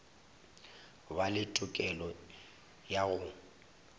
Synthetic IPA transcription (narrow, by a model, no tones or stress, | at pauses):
balɪtʼʊkʼɛlɔ | jaɣʊ